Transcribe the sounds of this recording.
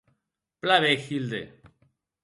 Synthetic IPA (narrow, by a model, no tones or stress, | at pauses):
plaβexild̪ḛ